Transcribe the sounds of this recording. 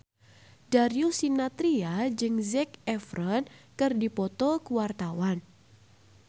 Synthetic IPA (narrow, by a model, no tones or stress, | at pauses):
daɾjusinat̪ɾiad͡ʒɨŋzɛk̚ɛfɾɔnkɨrdipɔt̪ɔkuwart̪awan